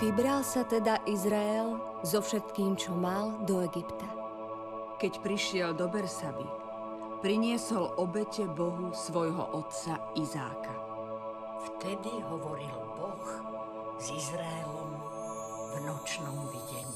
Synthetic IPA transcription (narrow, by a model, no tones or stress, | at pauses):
ʋibɾalsat̪ɛd̪aʔizɾaɛl | zɔfʃɛt̪kiːmt͡ʃɔmald̪ɔɛɡipt̪a | kɛcpɾiʃɪɛld̪ɔbɛɾsabḭ | pɾiɲɪɛsɔlʔɔbɛcɛbɔɦusʋɔjɦɔ̰ʔɔt̪t͡saiza̰ːka | ft̪ɛd̪iɦɔʋɔɾilbɔx | zizɾaɛlɔm | vnɔt͡ʃnɔmʋiɟɛɲi